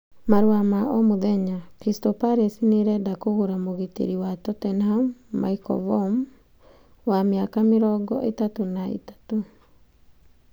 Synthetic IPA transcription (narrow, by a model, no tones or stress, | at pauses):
maɾuamaʔɔmoðɛɲakɾistɔpaɾesineɾɛdakoɣoɾamoɣitḛɾiwatɔtɛnhamːa̰ikɔ̰vɔm | wameakameɾɔɡɔʔetatonaḛtḁto